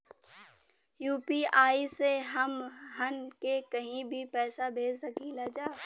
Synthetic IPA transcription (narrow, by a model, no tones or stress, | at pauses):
juːpiaːiseɦəmɦənkekəɦĩbʱipɛːsabʱeːd͡ʒsəkiːlad͡ʒaː